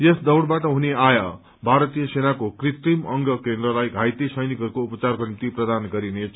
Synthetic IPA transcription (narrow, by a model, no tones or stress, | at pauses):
jʌsd̪ʌwɽbaʈʌɦuneaja | bʱaɾʌt̪ijʌsenakokrit̪rimʌŋɡʌkend̪rʌlajɡʱajt̪isʌjnikɦʌɾukoupʌt͡sarkonimt̪iprʌd̪anɡʌɾinet͡sʰ